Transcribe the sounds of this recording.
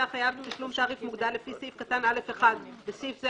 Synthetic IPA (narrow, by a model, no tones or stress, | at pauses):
aχajavt̪aʃlumt̪aːʁifmuɡd̪alːefisifkat̪analefeχad̪besifze